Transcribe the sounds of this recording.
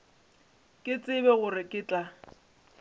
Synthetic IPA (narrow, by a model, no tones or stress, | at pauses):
kʼɪt͡sʼɪbɛɣʊrɪkʼɪːt͡ɬʼa